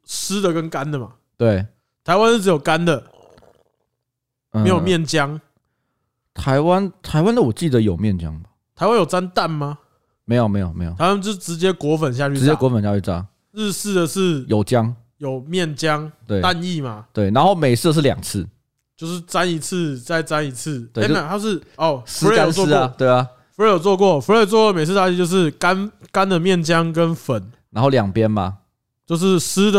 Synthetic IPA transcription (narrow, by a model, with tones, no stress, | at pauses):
sɹ̩˦˥d̪ə˨kə˦nka˦nd̪ə˨ma˨˩ | t̪we˥˩ɪ | t̪ʰa˧ɪwa˦n̩ʰ˥˩ɻ̩˧˥jo˨˩ʊka˦nd̪ə˨˥˧ | jo˨˩mjɛ˥˩nt͡ɕja˦ŋ | t̪ʰa˧˦ɪwa˦nt̪ʰa˧ɪwa˦nd̪ə˨˩wɔ˨t͡ɕi˥˨˩d̪ə˨jo˨˩ʊmjɛ˥˨nt͡ɕjɑ̰˦ŋba˨t̪ʰa˨˧ɪwa˦njo˨˩t͡sa˦nt̪a˥˨˩nma˨ | me˧˥ɪjme˧˥ɪjo˨˩mḛ˧˥jo˨˩a˧˦wa˦˥nt͡ɕo˥˧ʂʈ͡ʂɻ̩˧˦t͡ɕjɛ˦kwɔ˧˥˦fə˨˩nɕ̬ja˥˧t͡ɕyʂ̩˧˥t͡ɕjɛ˦˥kwɔ˧˥fə˨˩nɕja˥˧t͡ɕy˥˩ta̰˥˩ | ɻ̩˥˧s̩˥˩d̪ə˨ʂɻ̩˥˩jo˨˩ʊt͡ɕjɑ˦ŋ | jo˨˩ʊmjɛ˥˨nt͡ɕjɑ˦ŋt̪we˥˩ɪa˥˧ni˥˨ma˨t̪we˥˩ɪna˧˦nxo˥˩ʊme˨˩ɪs̩˥˧ʂ̬ɻ̩˥˨ljɑ̰˨˩ŋt͡s̩ʰ˥˩ | t͡ɕjo˥˧ʊʂɻ̩˥˩t͡sa˦ni˧˥t͡s̩ʰ˥˧t͡sa˥˩ɪt͡sa˦ni˧˥t͡s̩ʰ˥˩we˥˨e˥˨a˨˩t̪ʰa˥t͡ɕʂɻ̩˥˩ɔ˨˩sf̩˥˧˥a˦˨nsɔ˥˨t̪we˥˩ɪla˨ | fu˧˥e˥˩jo˨˩t͡swɔ˥˧kwɔ˥˨˩fu˧˥e˥˩jo˨˩t͡swɔ˥˧kɔ˥˨me˨ɪt͡s̩ʰ˥˩ɕa˥˧t͡ɕy˥˧t͡ɕjo˥˧ʊʂɻ̩˥˩ka˦nka˦˥nd̪ə˨mjɛ˥˨nt͡ɕjɑ˦ŋk̬ə˦nfə˨˩˦nna˧nxo˥˩ʊljɑ˨˩ŋpjɛ˦nma˨ | t͡ɕjo˥˧ʊʂ̬ɻ̩˥˩s̩˥d̪ə˨